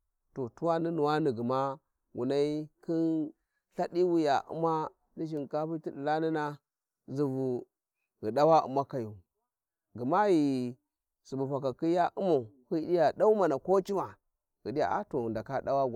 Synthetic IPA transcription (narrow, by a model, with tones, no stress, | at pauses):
to˨tu˦wa˦ni˦nu˨wa˦ni˨ɡi˨ma˦ | wṵ˨na˦i˦kʰi˦n | ɬa˦di˦wu˦ja˨ʔṵ˦ma˦ | di˦ʃi˨nka˦pi˦ti˦di˨la˦ni˦na˦ | zi˨vu˨ | ɣi˨da˦wa˦ṵ˨ma˦ka˨ju˨ | ɡi˨ma˦ji˨ | su˨bu˨pa˨ka˨ki˦ja˦ʔu˦mo˨ | hi˦i˦ja˨da˦u˦ma˨na˨ko˦t͡ʃi˦ma˨ | ɣi˨ɗi˦ja̰˨ʔa̰˦to˨nda˨ka˦da˦wa˦ɡ